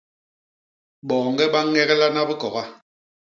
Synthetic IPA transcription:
ɓɔː˨ŋɡɛ˦ɓa˦ŋɛ˦ɣɛ˦la˦na˦bi˦kɔ˨ɣa˦

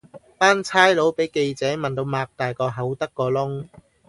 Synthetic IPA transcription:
paː˥nt͡sʰaː˥jlo˨˥wpe˨˥jke˧jt͡sɛː˨˥mɐ˨nt̪o˧wmaː˧k̚t̪aː˨jkɔː˧ɦɐ˨˥wt̪ɐ˥kːɔː˧lʊ˥ŋ

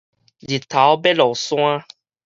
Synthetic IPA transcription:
d͡ʒi˨t̪a˨wɔ˦bɛ˦lɔ˨sɔ̃˦a˦

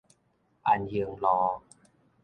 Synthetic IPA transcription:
ʔa˧˩njɯ˧əŋlɔː˧

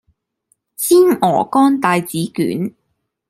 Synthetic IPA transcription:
t͡sʰiː˥nɔː˨˩kɔː˥nt̪aː˨˧jt͡siː˨˥ky̰ː˨˥n

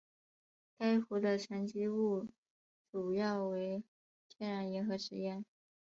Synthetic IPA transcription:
ka˥ɪxu˧˥d̪ə˧ʈ͡ʂʰa˧˥nt͡ɕi˥u˥˩ | ʈ͡ʂu˨˩jɑ˥˩ʊwe˧˥ɪ | t͡ɕ̪ʰjɛ˥˩nɻa˧˥njɛ˧˥nxɤ˧˥ʂɻ̩˧˥jɛ˥˩n

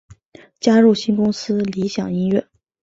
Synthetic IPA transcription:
t͡ɕja˥ɻu˥˩ɕi˥nkʊ˥ŋsɹ̩˥li˧˥ɕjɑ˨˩ŋi˥nɥɛ˥˩

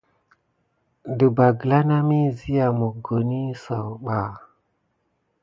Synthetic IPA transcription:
də˨ba˨ɡə˨la˦na˦mi˦zi˦ja˨mo˨ɡo˨ni˦sa˨wɓa˨

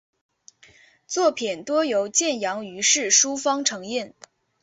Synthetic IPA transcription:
t͡swɔ˥˩pʰi˨˩nt̪wɔ˥jo˧˥ʊt͡ɕjɛ˥˩njɑ˧˥ŋy˧˥ʂɻ̩˥˩ʂu˥fɑ˥ŋʈ͡ʂʰɤ˧˥ŋi˥˩n

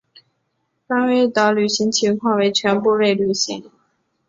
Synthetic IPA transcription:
fa˥nwe˥ɪ˧t̪ɑ˧˥ʊly˨˩ɕi˧˥ŋt͡ɕʰi˧˥ŋkʰwɑ˥˩ŋwe˧˥ɪt͡ɕʰɥɛ˧˥npu˥˧we˥˩ɪly˨˩ɕi˧˥ŋ

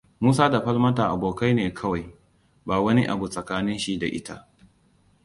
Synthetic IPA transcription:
muː˦s̬aː˦da˨ɸɐ˦lmɐ˦taː˨ʔa˨boː˨ka˦jneː˨kʰɐ˦wa˨j | baː˨wɐ˦ni˦ʔa̰˨bu˨sʼɐ˨kaː˦nɪ˦nʃi˦da̰˨ʔɪ̰˦ta˦ʔ

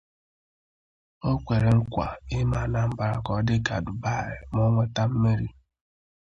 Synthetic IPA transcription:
o˦kʷe˨ɾe˨ŋ̩˦kʷa̰˨ɪ˦ma˨na˦m̩˦ba˨ɾa˨kɔ˨˦dɪ˦ka̰˨dʊ˨ba˦˨ɾe˨m˦o˦ŋʷe˦ta˦m̩˦me˦ɾi˦

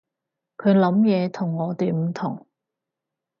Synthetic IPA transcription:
kʰɵ˨˧ɥlɐ˨˥mjɛː˨˧t̪ʰʊ˨˩ŋːɔː˨˧t̪e˨˧jm̩˨˩t̪ʰʊ˨˩ŋ

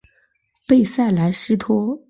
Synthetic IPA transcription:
pe˥˧ɪsa˥˩ɪla˧˥ɪʂɻ̩˥t̪ʰɔ˥

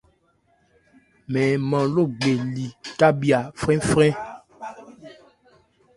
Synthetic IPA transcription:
mɛ̃˨mã˨lo˦˨ɡ͡be˨li˨ta˦bi˨a˨fɾɛ̃˦fɾɛ̃˦

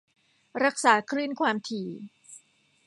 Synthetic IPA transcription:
ɾa˦˥k̚saː˩˦kʰɾɯː˥˩nkʰwaː˧mt̪ʰiː˨˩

